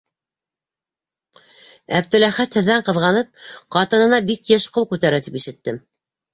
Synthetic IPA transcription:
æ̰b̚t̪ɵ̆læχæt̪hɘ̆ðːæɴqɤ̆ðʁɑnɤp̚qɑt̪ɤ̆nɤ̆nɑbikjɘʃqolˠkʉt̪æɾæt̪ipiʃɘ̆t̪ːɘm

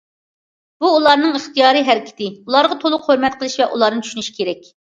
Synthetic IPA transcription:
b̥uːlˠɑɾnɨŋəχt̪ijɑːɾɨɦæɾɪkʲʰɪ̥t̪ɪulˠɑɾʁɑt̪ʰolˠʊhoɾmɛt̪qʰəlˠɨʃvɛʔulˠɑɾnɨt͡ʃʰy̥ʃynyʃi̥kʲʰeɾɛkʲ

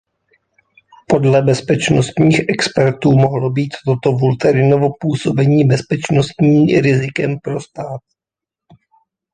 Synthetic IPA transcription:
po̞dlɛbɛspɛt͡ʃnost̪ɲiːxʔɛkspɛɾt̪uːmoɦlobiːt̪ːot̪ovult̪ɛɾɪnovopuːso̞bɛɲiːbɛspɛt͡ʃno̞st̪ɲiːɾɪzɪkɛmpɾo̞st̪aːt̪̚

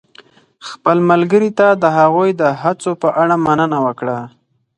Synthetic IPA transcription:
xpəlməlɡəɾit̪ad̪əɦaɣujd̪əɦat͡sopəʔaɽamanənawəkɽa

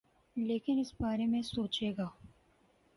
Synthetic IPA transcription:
leːkɪnɪsbaːɾemẽsoːt͡ʃeːɡaː

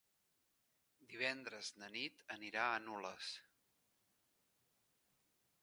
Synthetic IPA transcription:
d̪iβ̞ɛnd̪ɾəzd̪ənit̪əniɾaənuləs

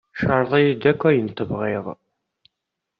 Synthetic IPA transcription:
ʃəɾˤðˤijid̪ækʷːæjənt̪ːəbʁiðˤ

